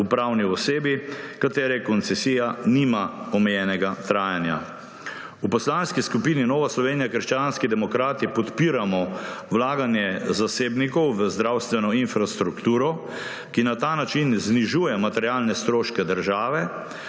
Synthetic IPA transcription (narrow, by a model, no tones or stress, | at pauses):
upɾawniɔseːbikat̪eːɾɛkɔnt̪sɛsiːjanimaɔmɛjɛːnɛɡat̪ɾaːjanja̰ | upɔslaːnskiskupiːninɔːʋaslɔʋeːnijakəɾʃt͡ʃanskid̪ɛmɔkɾaːt̪ipɔt̪piːɾamɔwlaːɡanjɛzaseːbnikɔwʋəzd̪ɾawst̪ʋɛnɔinfɾast̪ɾukt̪uːɾɔ | kinat̪aːnat͡ʃinzniʒuːjɛmat̪ɛɾjalnɛst̪ɾoːʃkɛd̪əɾʒaːʋɛ